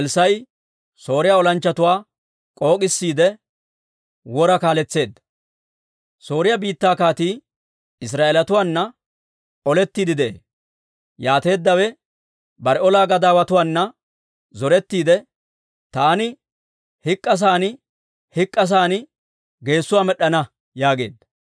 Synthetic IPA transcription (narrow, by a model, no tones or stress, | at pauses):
ɛlsɐj | so̞ːɾɪjaɔlɐnt͡ʃːɐt̪ʊwaː | kʼo̞ːkʼɪsːiːd̪ɛ | wɔɾɐkaːlɛt͡sːe̞ːd̪ːɐ | so̞ːɾɪjɐbiːt̪ːaːkaːt̪iː | ɪs̬ɾaːʔeːlɐt̪ʊwaːnːɐ | ɔlɛt̪ːiːd̪ɪd̪ḛː | jaːt̪e̞ːd̪ːɐwɛ | bɐɾɛɔlaːɡɐd̪aːwɐt̪ʊwaːnːɐ | zɔɾɛt̪ːiːd̪ɛ | t̪aːnɪ | hɪkʼːɐs̬aːnɪ | hɪkʼːɐs̬aːnɪ | ɡe̞ːsːʊwaːmɛɗːɐnɐ | jaːɡe̞̰ːd̪ːɐ̥